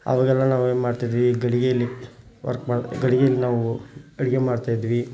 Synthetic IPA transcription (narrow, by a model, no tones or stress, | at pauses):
ɐ̰ʋɐɡɛlːɐnaːʋeːnmaːɽt̪id̪iʋiɡɐɽiɡejɐlːi | ʋɐ̰ɾkmaːɽɡɐɽiɡejɐlːinaːʋuɐɽiɡemaːɽt̪aːjid̪ʋi